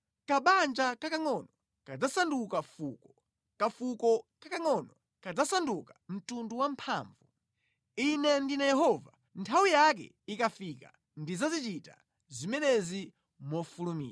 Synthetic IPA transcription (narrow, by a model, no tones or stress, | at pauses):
kaɓand͡ʒakakaŋɔnɔ | kad͡zasandukafukɔ | kafukɔkakaŋɔnɔ | kad͡zasandukḁm̩tunduwampʰa̰ɱvu | inɛndinajɛɦɔva | ntʰawijak̬ɛ̰ | ikafika̰ | ndizazit͡ʃita | zimɛnɛzi | mɔfulumḭːa